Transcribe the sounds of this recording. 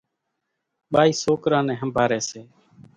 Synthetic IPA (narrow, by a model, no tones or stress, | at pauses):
ɓaːiːsoːkɾãːnɛ̃ːɦəmbʱaːɾɛ̃ːseː